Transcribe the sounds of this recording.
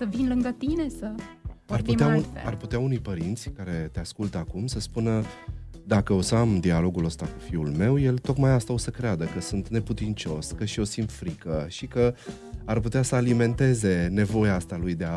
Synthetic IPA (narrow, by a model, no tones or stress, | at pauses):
səvinlɨŋɡət̪ine̞səarpueauarput̪eaunujpəɾint̪sʲkaɾe̞t̪e̞askult̪əakumsəspunə | d̪akəosəamd̪ialo̞ɡuləst̪aku̥fiulme̞wje̞lt̪o̞kmajast̪aosəkɾead̪əkəsunt̪ne̞put̪int͡ʃo̞skəʃio̞sint̪fɾikəʃikə | arput̪easəalime̞nt̪e̞ze̞ne̞vo̞jaast̪alujd̪e̞a